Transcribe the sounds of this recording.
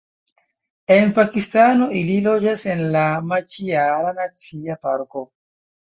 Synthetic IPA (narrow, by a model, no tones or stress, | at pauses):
enpakistano̞ililo̞d͡ʒasenlamat͡ʃiaɾanat͡siapaɾko̞